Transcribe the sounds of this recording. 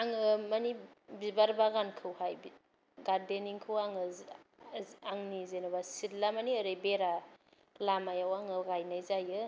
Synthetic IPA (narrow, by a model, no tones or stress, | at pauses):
aŋɯmanibibaɾbaɡankʰɯwhajbi | ɡaɾdeniŋkʰɯwaŋɯ | aŋnizenɯbasitlamaniəɾɯjbeɾa | lamajawaŋɯɡajnajzajɯ